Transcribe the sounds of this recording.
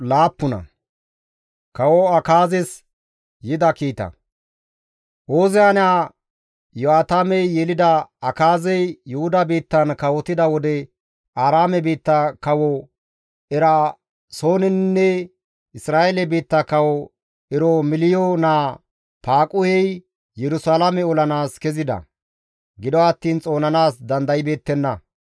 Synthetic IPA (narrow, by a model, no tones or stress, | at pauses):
laːpːʊnɐ̰ | kɐwɔɐkaːzɛs | jɪd̪ɐkiːt̪ɐ̰ | ʔoːzɪanaː | jʊaːt̪amɛjjɛlɪd̪ɐɐkaːzɛjːʊhʊd̪ɐbiːt̪ːɐnkɐwɔt̪ɪd̪ɐwɔd̪ɛ | aːɾaːmɛbiːt̪ːɐkɐwɔ | ɛɾɐ | so̞ːnɪnnːɛ | ɪsɾaːelɛbiːt̪ːɐkɐwɔ | ɛɾɔmɪlɪjonaː | paːkʼʊhɛj | jɛɾʊsaːlamɛɔlɐnaːskɛzɪd̪ɐ̰ | ɡɪd̪ɔɐt̪ːiːnt͡sʼo̞ːnɐnaːsd̪ɐnd̪ɐjɪbe̞ːt̪ːɛnːɐ